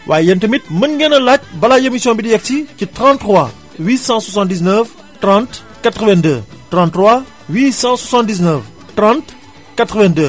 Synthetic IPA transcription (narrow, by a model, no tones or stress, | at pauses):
wʔaːjjɛntəmit̪̚mənɡɛnɐlac̚bɐlajemisjɔ̃bidiɛk̚ticitʁɑ̃ntːχwa | wisɑ̃swasɑ̃ndiznəf | trɑ̃nt | katʁəvɛ̃ndətrɑ̃ntːʁwa | wisɑ̃swasɑ̃ndiznəf | tɾɑ̃nt | katʁəvɛ̃ndə